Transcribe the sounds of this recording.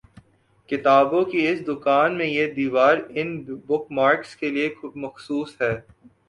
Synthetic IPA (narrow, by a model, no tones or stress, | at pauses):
kɪt̪aːbõkiɪsd̪ʊkaːnmẽjed̪iːʋaːɾɪnbʊkmaːɾkskeliekʊmɐxsuːsɦɛː